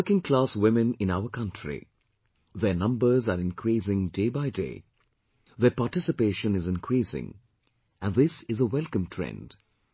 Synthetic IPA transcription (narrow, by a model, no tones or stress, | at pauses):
əkɪ̃ŋkʰlaswɪmɨ̃nɪ̃naʊəkʰʌ̃ntʰɹḭ | ðənʌ̃mbə˞zaɾɪ̃nkʰɾisɪ̃ŋdeːbaɪdḛɪ | ðəpaʈɪsɪpeːʃə̃nɪzɪ̃nkʰɾiːsɪ̰̃ŋ | æ̃nðɪsɪzəwɛlˠkə̃mtʰɹɛ̰̃nd̥